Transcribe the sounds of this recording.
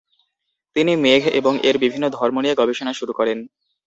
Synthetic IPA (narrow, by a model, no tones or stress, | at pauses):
t̪inimeɡʱḛboŋeɾbibʱinːod̪ʱɔɾmonijaɡɔbeʃonaʃuɾukɔɾen